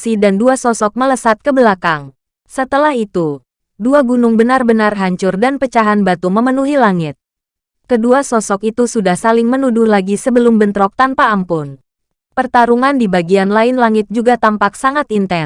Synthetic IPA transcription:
sidanduasɔsɔk̚mələsat̪̚kəbəlakaŋ | sət̪əlahit̪u | duaɡunʊŋbənarbənarɦaɲt͡ʃʊrdanpət͡ʃaɦanbat̪uməmənuɦilaŋɪt̪̚ | kəduasɔsɔkit̪usudahsalɪŋmənudʊhlaɡisəbəlʊmbənt̪ɾɔk̚t̪anpaːmpʊn | pərt̪aɾuŋandibaɡianlaɪnlaŋɪt̪̚d͡ʒuɡat̪ampak̚saŋat̪int̪ɛ

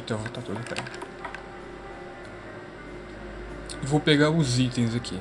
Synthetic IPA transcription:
t̪ɔʁɐt̪at̪od̪upɾɛ̰ | vopeɣaɾuzit̪ẽzɐkʰi

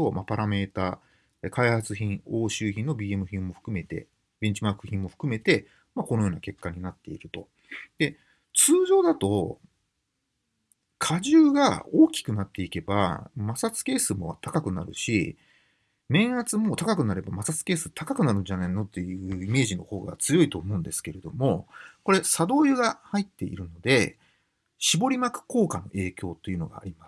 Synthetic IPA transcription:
t̪o̞mapaɾame̞ːt̪aː | ekʰaihat͡sɨçĩɰo̞ːɕɨːçĩnːo̞bʲiːe̞mɯ̟çʲĩmmo̞ɸɯ̟̥kɯ̟me̞t̪e̞̰ | bẽ̞ɲ̟t͡ɕimakɯ̟çĩmmo̞ɸɯ̟̥kɯ̟me̞t̪e̞ | mako̞nojo̞ːnake̞kːaɲ̟inat̪ːe̞ḭɾɯ̟t̪o̞ | d̪̥e̞ | t͡sɨːʑo̞ːd̪at̪o̞ | kʰaʑɨːɡaoːkʲi̥kɯ̟nat̪ːe̞ike̞ba̰masat͡sɨ̥ke̞ːsɨmo̞βa̰t̪akakɯ̟na̰ɾɯ̟̰ɕḭ | mẽ̞ɰ̃at͡sɨmo̞t̪akakɯ̟naɾe̞bamasat͡sɨ̥ke̞ːsɨ̥t̪ʰakakɯ̟naɾɯ̟d͡ʑanaino̞t̪ːe̞jɯ̟ːime̞ːʑino̞ho̞ːɡa̰t͡sɨjo̞it̪o̞ːmo̞ɯ̃nd̪e̞sɨ̥ke̞ɾe̞d̪o̞mo̞ko̞ɾe̞sad̪o̞ːjɯɡahait̪ːe̞ḭɾɯ̟no̞d̪e̞ | ɕibo̞ɾʲimakɯ̟̥ko̞ːkano̞̰ʔe̞ːkʲo̞ːt̪ːe̞iɯ̟no̞̰ɡa̰ːɾʲimas

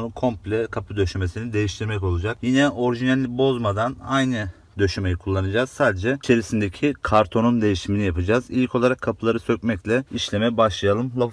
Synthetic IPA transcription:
kʰo̞mpʲlʲɛkʰapʰɯd̪ø̞ʃyme̞sinid̪e̞jiʃt̪ʰiɾmɛco̞lˠud͡ʒakjinɛʔo̞ɾiʒinalʲibo̞zmad̪anajnɯ | d̪ø̞ʃymejikʰulˠːanɯd͡ʒaːz̥saːd̪ed͡ʒɛt͡ʃʰe̞ɾisind̪ecʰikʰaɾt̪ʰo̞nund̪e̞jiʃiminijapɯd͡ʒaːzilʲckʰo̞lˠaɾakʰːapʰɯlˠaɾɯsøcmɛclʲɛiʃlʲemɛbaʃlˠajalˠɯmlˠo

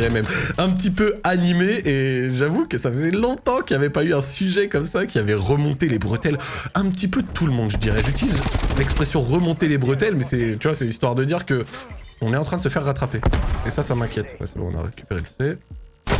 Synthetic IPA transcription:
ɛmɛmɛ̃pət̪ipøanimeːʒavukəsafəzɛlɔ̃t̪ɑ̃kʲiavɛpayɛ̃syʒɛkɔmsakʲiavɛʁəmɔ̃t̪elebʁət̪ɛlɛ̃pət̪ipøt̪ʰulmɔ̃d̪ʒəd̪iʁɛʒyt̪ilizlɛkspχesjɔ̃ʁəmɔ̃t̪elebʁət̪̬ɛlmɛsɛt̪yvwasɛlist̪waʁd̪əd̪iʁkəɔ̃nɛt̪ɑ̃t̪χɛ̃d̪əsəfɛʁːat̪χapeesasamɛ̃kʲjɛt̪pa̰sə̰bɔ̰̃ɔ̰̃na̰ʁḛkʲy̥peʁelsɛ

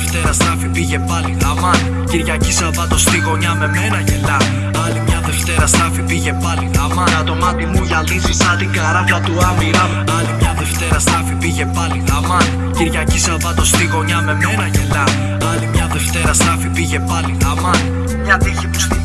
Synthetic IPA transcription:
ft̪e̞ɾɐst̪ɐfipiʝe̞pɐliðɐmɐni | ciɾʝɐcisɐvɐt̪o̞st̪iɣo̞ɲɐme̞me̞nɐʝe̞lɐ | ɐlimɲɐðe̞ft̪e̞ɾɐst̪ɐfipiʝe̞pɐliðɐmɐnt̪omɐt̪imuʝɐlizisɐt̪iɡɐɾɐfɐt̪uɐmiɾɐ | ɐlimɲɐðe̞ft̪e̞ɾɐst̪ɐfipiʝe̞pɐliðɐmɐni | ciɾʝɐcisɐvɐt̪o̞st̪iɣo̞ɲɐme̞menɐʝe̞lɐ | ɐlimɲɐðe̞ft̪e̞ɾɐst̪ɐfipiʝe̞pɐliðɐmɐni | mɲɐt̪içipus

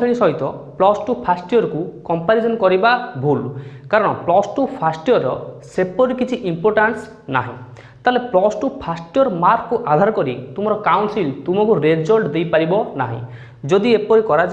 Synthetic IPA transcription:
eɽ̃isɔɦit̪ɔplɔsʈupʰasʈiɔɾkukɔmpaɾisɔnkɔɾibabʱulkaɾɔɽ̃ɔplɔsʈupʰasʈijɔɾɔsepɔɾikit͡ʃʰiʔimpɔɾʈans | na̰ɦḭ̃ | t̪aleplɔsʈupʰasʈiɔɾmaɾkkuʔad̪ʱaɾɔkɔɾit̪um̤ɔɾɔkawnsilt̪umɔkuɾed͡ʒɔlɖd̪ejpaɾibɔna̰ɦḭ̃ | d͡ʒod̪iepɔɾikɔɾad͡ʒ

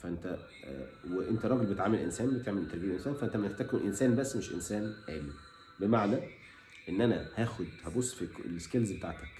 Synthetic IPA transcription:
fæʔent̪æ | weʔent̪æɾˤɑːɡelbet̪ʕamːelʔḛnsæːnbet̪eʕmelt̪æɾˤbiːʔwʔensæːnfæʔent̪æmnht̪ækuʔensæːnbæsːmeʃʔḛnsæːnʔæ̰ːli | bemaʕnæ | ʔenːʔænæhæːxod̪hæbosˤːfieskelzbet̪aʕt̪æk

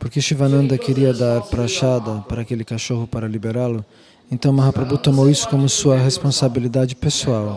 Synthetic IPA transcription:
poɾkeʃivɐnɐ̃nd̪ɐkeɾiɐd̪aɾpɾaʃad̪ɐpaɾɐaːkelɪkaʃohʊpaɾɐlibeɾalʊ | ẽnt̪ɐ̃w̃maɦapɾabut̪omowisʊ̥kõmʊsuɐɦespõsabilid̪ad͡ʒɪpesuaw

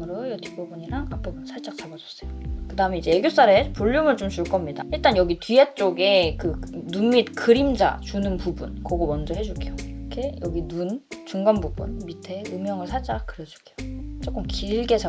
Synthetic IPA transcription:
mɯɾojʌtʰi̥p͈ubuɲiɾaŋap͈ebɯnsʰaɭt͡ɕ͈ak̚t͡ɕ͈abad͡ʑʌs͈ʌjokɯdaɯmeid͡ʑe̞eɡjos͈aɾepuʎːumɯɭt͡ɕomt͡ɕuɭk͈ʌmɲida̰iɭt͈anjʌɡitɥiet͡ɕ͈oɡe̞kɯnunmit̚kɯɾimd͡ʑa̰t͡ɕunɯnpubunkʌɡomʌnd͡ʑʌɦe̞d͡ʑuɡejokʰe̞jʌɡinunt͡ɕuŋɡʌnbubṵnmitʰe̞ɯmjʌŋɯɭsʰaɭt͡ɕ͈akkɯɾed͡ʑu̥ɡejot͡ɕ͈ok͈ɯmkiɭɡe̞t͡ɕa

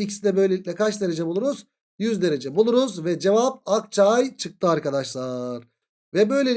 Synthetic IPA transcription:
icʰisid̪ʲɛbø̞jlʲeicʲlʲɛkʰat͡ʃd̪e̞ɾe̞d͡ʒɛbulˠuɾuz̥ | jyzd̪e̞ɾe̞d͡ʒɛbulˠuɾuzvɛd͡ʒe̞vap̚ak̚t͡ʃʰajt͡ʃʰɯk̚t̪ʰɯaɾkad̪aʃlˠaɾ̥ | vɛbø̞jlʲe

